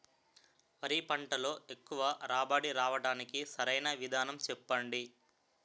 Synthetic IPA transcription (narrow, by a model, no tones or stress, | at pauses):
mɐɾipɐɳʈɐlo̞ːe̞kːuʋɐɾaːbaːɽiɾaːʋɐɽaːnikisɐɾɐjnɐʋid̪ʱaːnɐmt͡ʃɛpːɐɳɖi